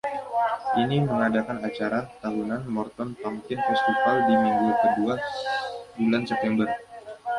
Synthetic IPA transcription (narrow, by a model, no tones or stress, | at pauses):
ʔiniməŋadakanat͡ʃaɾat̪aɦunanmɔrt̪ɔnp̪ampɪnfɛst̪ifaldimiŋɡukədua | bulansɛp̚t̪ɛmbər